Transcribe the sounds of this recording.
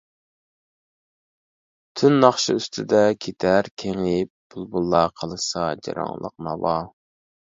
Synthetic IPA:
t̪ʰynːɑχʃɨyst̪ʰɪd̪ɛkʲʰet̪ʰæɾkʲʰeŋɪp̚b̥ulˠbulˠːɑqʰəlˠɨsɑd͡ʒɑ̰ɾɑ̰ŋlˠə̰q̚nɑwɑ

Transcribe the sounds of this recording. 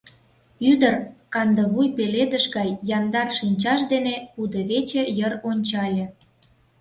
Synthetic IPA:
yd̪ərkɑnd̪ə̆βujpeled̪əʃɡɑjːɑnd̪ɑrʃinʲt͡ɕɑʃd̪enepud̪əβet͡ɕĕjəronʲt͡ɕɑlʲĕ

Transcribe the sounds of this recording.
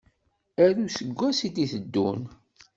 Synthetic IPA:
æɾusəɡʷːæsid̪iθəd̪ːun

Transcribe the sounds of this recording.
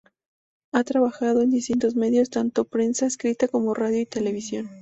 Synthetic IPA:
at̪ɾaβaxað̞o̞end̪ist̪int̪o̞zme̞ðjo̞st̪ant̪opɾe̞nsaeskɾit̪ako̞mo̞raðjo̞it̪e̞le̞β̞isjo̞n

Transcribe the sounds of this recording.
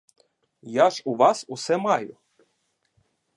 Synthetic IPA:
jaʒʊʋɑsuʊsɛmɑjʊ

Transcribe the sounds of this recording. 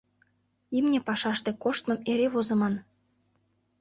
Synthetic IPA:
imnʲĕpɑʃɑʃt̪e̽koʃt̪mɤ̆meɾeβozɤ̆mɑn

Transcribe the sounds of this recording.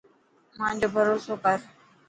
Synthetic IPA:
mãːɲd͡ʑoːbʱəɾoːsoːkəɾ

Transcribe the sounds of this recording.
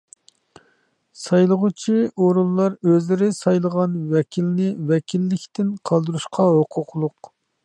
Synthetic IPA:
sɑjlˠəʁut͡ʃʰiʔoɾulˠːɑɾøzlɪɾɪsɑjlˠəʁɑnwɛkʲʰilɪnɪwɛkʲʰilːɪkʲt̪ɪnqʰɑlˠd̪uɾuʃqʰɑɦoqʰʊqlˠʊq

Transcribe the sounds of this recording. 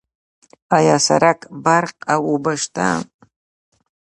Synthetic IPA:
ajasa̰ɾakʼbarqʼawubaʂtʰa̰m

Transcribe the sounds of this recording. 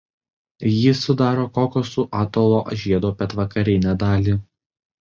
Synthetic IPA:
jɪsʊd̪ɑːɾoːkoːkʲosʊʔɑːt̪oːlˠoːʔɐʒʲiɛd̪oːpʲɛt̪ʋɐkɐɾʲɪnʲæd̪ɑːlʲiːˑ

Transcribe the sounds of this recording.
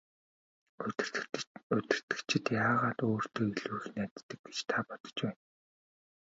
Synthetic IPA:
ɵt̪ʲɪ̆r̥t̪ɘ̆ktt͡ɕʰɪ̆t̪jaːʁaːt̪oːr̥t̪ʰeːiɮuːxnæːt̪ːə̆k̚ɡet͡ɕt̪ʰapɔt̪ɞ̥̆t͡ɕpæːn

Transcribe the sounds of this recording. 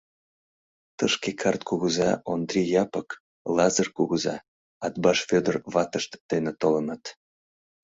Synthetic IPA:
t̪əʃkekʰɑrt̪̚kuɣəzɑond̪rʲijɑpək | lɑzərkuɣəzɑ̰ | ɑt̪̚bɑʃfød̪ərβɑt̪əʃt̪d̪̥enet̪olɤnɑt̪

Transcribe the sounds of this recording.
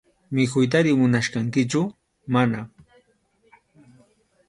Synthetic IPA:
mɪkʊjt̪̬aɾɪmʊnaʃkɑŋkɪt͡ʃʊ | mana

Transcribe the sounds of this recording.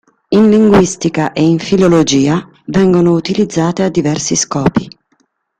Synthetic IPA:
inliŋɡwist̪ikaʔeinfilolod͡ʒiːa | vɛŋɡonout̪ilid̪zːaːt̪ead̪ːivɛrsiskɔːpi

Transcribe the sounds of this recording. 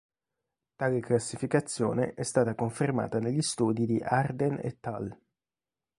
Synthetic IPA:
t̪aːleklasːifikat̪sːjo̰ːnḛʔɛst̪aːt̪akoɱferma̰ːt̪aneʎːist̪uːd̪id̪iʔard̪enḛt̪ːa̰l

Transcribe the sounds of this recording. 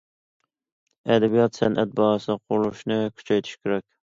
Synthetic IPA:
ɛd̪ɛbijɑt̪sɛnʔɛt̪̚bɑːɑsɨqʰʊɾlˠuʃnɨkʲʰy̥t͡ʃʰɛjt̪ʰi̥ʃkʲeɾɛkʲ

